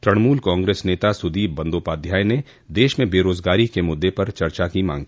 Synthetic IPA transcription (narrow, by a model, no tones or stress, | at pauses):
t̪ɾɐɽmuːlkãːŋɡɾeːsneːt̪asʊd̪iːbbɐ̃nd̪oːpaːd̪ʱjaːjne | d̪eːʃmẽbeːɾoːzɡaːɾikemʊd̪ːepɐɾt͡ʃɐɾt͡ʃakimã̰ːŋɡiː